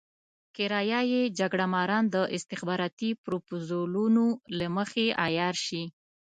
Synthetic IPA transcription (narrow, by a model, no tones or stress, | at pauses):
kɪɾɑjɑjed͡ʒaɡɽamɑɾɑnd̪əʔɪst̪ɪxbɑɾɑt̪ipɾopozolunolaməxeʔajɑɾʃi